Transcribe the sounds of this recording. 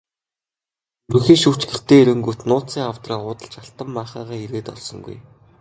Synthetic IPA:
rɵxiːʃuːt͡ɕɡɘ̆ɬt̪eːeɾɘ̆ŋɡuːt̪nʊːt͡siːŋawt̪raːʊːt̪ə̆ɬt͡ɕaɬt̪ə̆mːaːχaːʁaːiɾeːt̪ɔ̰ɮsɞ̆ŋɡṵj

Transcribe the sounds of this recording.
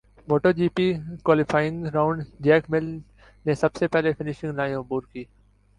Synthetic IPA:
moːʈoːd͡ʒiːpiːkwaːlɪfaːjɪ̃ŋɡɾaːʊ̃ɳɖd͡ʒɛːkmɪl | nesɐbsepɛɦlefɪnɪʃɪ̃ŋɡnaːjʊbuːɾkiː

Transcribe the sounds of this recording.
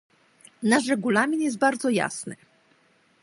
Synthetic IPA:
naʂɾɛɡulamʲinjɛst̪̚baɾd̪zɔja̰snɘ̰

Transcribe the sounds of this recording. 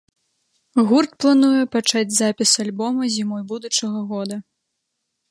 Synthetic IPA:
ɣurt̪̚plˠanujɛpat͡ʂad͡zʲzapʲisalʲbɔmɐzʲimɔjbud̪ut͡ʂɐɣɐɣɔd̪ɐ

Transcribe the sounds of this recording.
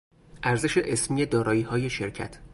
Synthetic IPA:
ʔæɾze̞ʃeʔesmiːjed̪ɒːɾɒːjiːhɒːje̞ʃeɾcʰæ̰t̪ʰ

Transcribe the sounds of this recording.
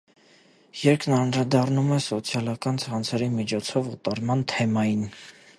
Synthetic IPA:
jɛɾkʰnɑnɾɑd̪ɑrnumɛsɔt͡sʰjɑlɑkɑnt͡sʰɑnt͡sʰɛɾimit͡ʃʰɔt͡sʰɔvut̪ɑɾmɑnt̪ʰɛmɑjin

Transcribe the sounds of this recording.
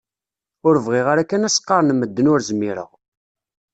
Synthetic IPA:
ʊɾəvʁiʁaɾækːænæsqːɑɾnmːəd̪ːənʊɾzəmːiɾə̰ʁ

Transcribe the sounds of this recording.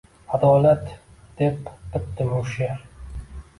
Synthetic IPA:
ad̪ɒːlat̪ | d̪̥epd̪ɪp̚d̪ɪboʃaɾ

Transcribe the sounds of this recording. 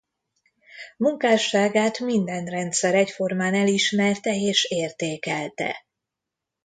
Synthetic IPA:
muŋkaːʃaːɡaːt̪mind̪ɛnrɛnt̪sɛɾɛcfo̞rmaːnɛliʃmɛrt̪ɛeːʃeːrt̪eːkɛlt̪ɛ̰

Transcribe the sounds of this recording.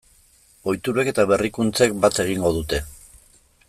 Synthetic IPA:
o̞jt̪uɾe̞ke̞t̪aβe̞rikunt͡se̞kbat̪e̞ɣ̞iŋɡo̞ð̞ut̪e̞

